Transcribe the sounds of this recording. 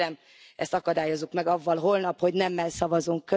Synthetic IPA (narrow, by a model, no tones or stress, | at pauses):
ɛm | ɛst̪ɒkɒd̪aːjo̞zːukmɛɡɒvːɒlɦo̞lnɒpho̞ɟnɛmːɛlsɒvɒzuŋkːø